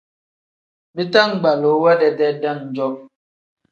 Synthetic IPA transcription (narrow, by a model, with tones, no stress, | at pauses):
bi˦ta˦˨ŋ˨ɡ͡ba˨lo˨˦wa˦dɛ˨dɛ˦da˦˨ŋn̩˨d͡ʒɔ˦p̚